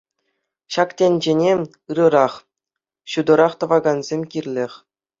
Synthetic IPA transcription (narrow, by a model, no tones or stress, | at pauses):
ɕɑktʲenʲd͡ʑenʲe | ɯɾɤ̆ɾɑχ | ɕud̪ɤ̆ɾɑχt̪ɤ̆ʋɑɡɑnzʲemʲkʲirʲlʲexʲ